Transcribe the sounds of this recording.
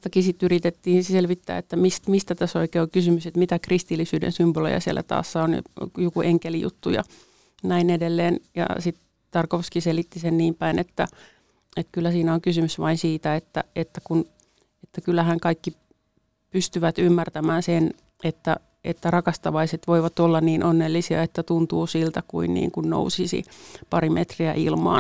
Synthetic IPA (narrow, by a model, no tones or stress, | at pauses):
t̪ɑkisit̪yrit̪et̪ːiːnelʋit̪ːæ̰ːet̪ːæmist̪mist̪æt̪æsoikeːokysymyset̪mit̪ækrist̪ilːisyːdḛnsymbolo̰jɑ̰siḛlːæ̰t̪ɑ̰ːsːɑon̰jokuʔeŋkelijṵt̪ːṵjɑ̰ | næinedelːeːnjɑ̰sit̪ | t̪ɑrkoskiselit̪ːisenniːmpæinet̪ːæ | et̪kylːæsiːnæoŋkysymysʋɑinsiːt̪æet̪ːæ̰et̪ːækun | et̪ːækylːˑæhæŋkɑikːi | pyst̪yʋæt̪ymːært̪æmæːnsen | et̪ːæ | ḛt̪ːærɑkɑst̪ɑʋɑiset̪ʋoiʋɑt̪olːɑnniːnʔonːelːisiɑet̪ːæt̪unt̪uːsilt̪ækuinnḭːŋkunno̰usisḭpɑrimet̪riæ̰ʔḭlmɑ̰ːn